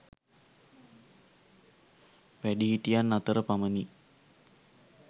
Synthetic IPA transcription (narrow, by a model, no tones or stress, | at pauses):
ʋæɖiɦiʈijanːat̪əɾəpaməni